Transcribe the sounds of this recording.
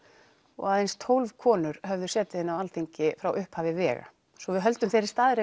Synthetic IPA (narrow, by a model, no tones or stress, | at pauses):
ɔ̰ɣaːðejnst̪ʰowlv̥kʰɔːnʏɾ̥hœvðʏ̥sɛːt̪ɪɪnːawalθiɲcɪfɾawʔʏhphaːvɪvɛːɣa̰ | sɔvɪðɦœlt̪ʏmθejɾɪ̥st̪aːðɪɾɪ